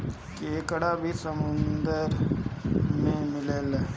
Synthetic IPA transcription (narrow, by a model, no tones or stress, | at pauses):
keːkɽabʱisəmʊnd̪əɾ | mẽmɪleːl